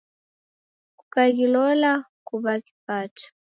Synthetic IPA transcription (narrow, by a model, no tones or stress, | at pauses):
kukaɡilɔla | kuβaki̥paːtʰḁ